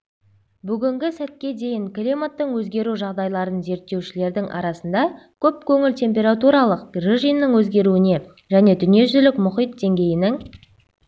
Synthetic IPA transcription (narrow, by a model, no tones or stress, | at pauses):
bʏɡʲɪŋɡʲɪsæt̪̚kʲe̞d̪e̞jɪŋklʲimat̪ːəɴwɵzɡʲe̞ɾuʒɑʁd̪ɑjlˠɑɾənze̞ɾt̪ːe̞wʃɪle̞ɾd̪ɪŋʔɑ̰ɾɑsənd̪ɑkʲʰɵp̚kʲʰɵŋɪlt̪ʲʰe̞mp̬ʲe̞ɾat̪uɾɑlˠəq̚ɡriʒinːəɴwɵzɡʲe̞ɾuɪne̞ | ʒæne̞d̪ʏnije̞ʒʏzlɪkmʊχijt̪̚d̪e̞ŋɡʲe̞jɪnɪŋ